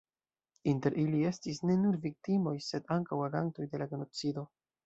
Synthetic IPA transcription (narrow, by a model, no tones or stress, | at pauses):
inte̞ɾʔilie̞stisne̞nuɾvik̚timo̞jse̞daŋkawaɡanto̞jde̞laɡe̞no̞t͡sido̞